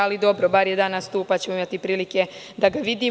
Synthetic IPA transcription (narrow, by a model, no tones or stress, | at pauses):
alid̪o̞bɾobaɾjed̪aːnast̪uːpat͡ɕe̞moimat̪ipɾiːlike̞ | d̪aɡaʋid̪iː